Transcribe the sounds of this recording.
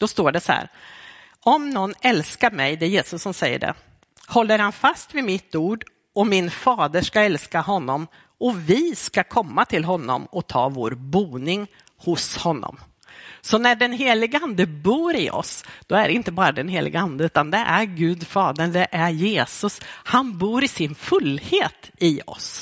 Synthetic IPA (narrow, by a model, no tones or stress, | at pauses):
d̪̥ɔst̪oːɖɛsɔhæ̰ːɾ | ɔmnɔnːɛlskaɾmɛjd̪ɛːjeːsɵsːɔmsɛjːə̰ɖɛ̰ | hɔlːəɾhanfast̪vɪmɪt̪ːuːɖ | ɔmɪnfɑːd̪əʂkaɛlskaɦɔnːɔm | ɔvɪskakʰɔmːat̪ʰɪlɦɔnːɔ̰mɔt̪ʰɑ̰ːvo̰ːɾbuːnɪŋ | hʊshɔnːɔ̰m | sɔnæɖɛnɦeːlɪɡəand̪əbuːɾɪʔɔ̰sd̪̥ɔæɖɛɪnt̪əbɑːɾad̪ɛnɦeːlʔɪ̰ɡəand̪əʉ̟ːt̪and̪ɛʔæɾɡʉ̟ːd̪fɑːd̪əɳd̪ɛʔæɾjeːsɵshanbuːɾɪsɪnfɵlːheːt̪ɪɔ̰s